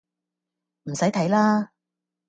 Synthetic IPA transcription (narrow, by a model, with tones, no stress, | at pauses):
m̩˨˩sɐ˨˥jt̪ʰɐ˨˥jlaː˥